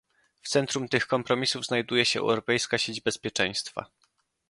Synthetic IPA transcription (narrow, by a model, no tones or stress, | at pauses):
ft̪sɛnt̪ɾumt̪ɘxkɔmpɾɔmʲisuvznajd̪ujɛɕɛɛ̰wɾɔpɛjskaɕed͡ʑbɛspʲjɛt͡ʂɛ̃j̃st̪fa̰